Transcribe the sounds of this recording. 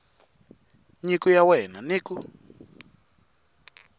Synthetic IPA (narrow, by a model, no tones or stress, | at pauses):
ɲikujawɛnaniːku